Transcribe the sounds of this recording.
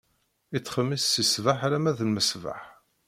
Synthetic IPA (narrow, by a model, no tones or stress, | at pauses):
it͡sːχəmːisːisvaħɾæmæðəlməsva̰ħ